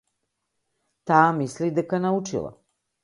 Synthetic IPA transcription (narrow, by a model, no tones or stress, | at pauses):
t̪amislid̪akanaut͡ʃḭlˠa̰